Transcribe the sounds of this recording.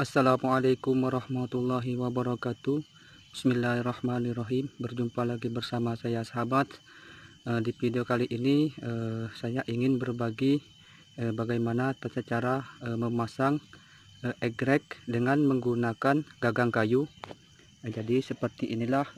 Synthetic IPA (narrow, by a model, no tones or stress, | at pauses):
ʔasːalamualekʊmwaɾɑhmat̪ulːaɦiwabəɾɑkat̪u | bismilːahrɑhmanirɑɦimbərd͡ʒumpalaɡibərsamasajasaɦabat̪ | ədipidiokaliʔiniəsajaʔiŋɪnbərbaɡi | əbaɡajmanat̪asət͡ʃaɾaəməmasaŋ | əʔɛɡɾɛk̚dəŋanməŋɡunakanɡaɡaŋkaju | d͡ʒadisəpərt̪iʔinilah